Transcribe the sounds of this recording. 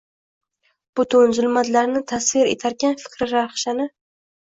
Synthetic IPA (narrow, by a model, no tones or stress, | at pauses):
b̥ʊt̪ʰʊnzʊlˠmat̪laɾnɪt̪ʰasvɪɾḛt̪ʰaɾɡʲanfɪ̥kʲɾɪɾaɾχʃanɪ